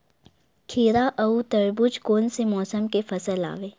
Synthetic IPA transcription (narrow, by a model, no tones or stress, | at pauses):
kʰiːɾaʔɐut̪ɐɾbʊd͡ʒkoːnsemɔːsəmkefɐsəla̰ːʋeː